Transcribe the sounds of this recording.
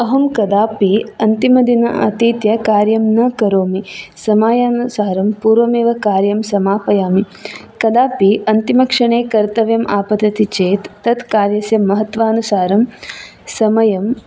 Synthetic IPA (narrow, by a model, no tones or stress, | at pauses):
ɐɦɐmkɐd̪aːpiɐnt̪imɐd̪inɐʔɐ̰t̪iːt̪jɐkaːɾjɐmnɐkɐɾoːmisɐmaːjaːnusaːɾɐmpuːɾʋɐmeːʋɐkaːɾjɐmsɐmaːpɐjaːmi | kɐd̪aːpiʔɐnt̪imɐkʂɐɳeːkɐɾt̪ɐʋjɐmʔaːpɐd̪ɐt̪it͡ʃeːt̪ːɐt̪kaːɾjɐsjɐmːɐɦɐt̪ʋaːnusaːɾɐm | sɐmɐjɐm